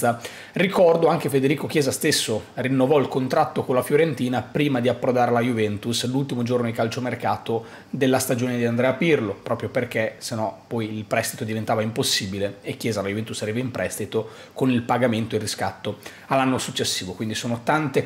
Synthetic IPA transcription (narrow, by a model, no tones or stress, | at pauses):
a | rikɔrd̪oaŋk̟efed̪eɾiːkok̟jɛːzast̪esːorinːovɔilkont̪ɾat̪ːokonlafjoɾent̪iːnapɾiːmad̪iapːɾod̪aːɾlajuvɛnt̪uslult̪imod͡ʒornod̪ikalt͡ʃomerkaːt̪o | d̪elːast̪ad͡ʒoːned̪iand̪ɾɛːapirlopɾʔɔːpɾjoperk̟esenːɔpɔjilpɾɛst̪it̪od̪ivent̪aːvaimposːiːbileekːjɛːzalajuvɛnt̪usːaɾiːvaimpɾʔɛst̪it̪o | konilpaɡament̪oirːiskat̪ːo | alːanːosut͡ʃːesːiːvokwind̪isoːnot̪ant̪e